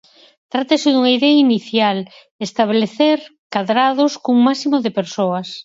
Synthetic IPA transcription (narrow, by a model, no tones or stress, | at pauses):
t̪ɾat̪esɪðuŋaiðɛainiθjal | est̪aβ̞leθeɾkaðɾað̞oskuŋmasimoðepeɾsoɐs